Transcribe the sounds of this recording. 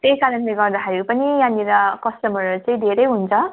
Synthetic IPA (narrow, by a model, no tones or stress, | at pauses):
t̪ejkaɾʌnleɡʌrd̪axʰeɾupʌnijãniɾʌkʌstʌmʌɾt͡saĩd̪ʱeɾʌjɦunt͡sʰʌ